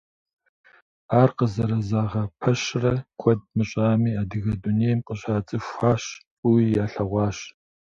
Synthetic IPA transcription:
aːrqəzɐɾɐzaːʁɐpʰɐɕrɐkʷʰɔd̚mɨɕʼaːmiːaːdɨɣɐduneːjmqʼəɕʼaːt͡sʼɨʃʷaːɕ | uwijaːɬɐʁʷɑːɕ

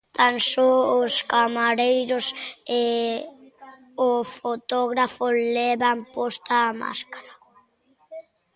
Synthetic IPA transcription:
t̪ansoʊskamaɾejɾʊse | ofot̪oɣɾafoleβampost̪aːma̰skḁɾa

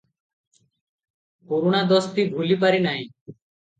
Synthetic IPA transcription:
puɾuːɳad̪oːst̪iːɡʱuliːp̬aɾiːnaːĩː

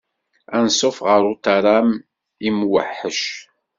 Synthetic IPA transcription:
ænsˤʊfʁəɾˤʊt̪aɾˤam | imwə̰ħːəʃ

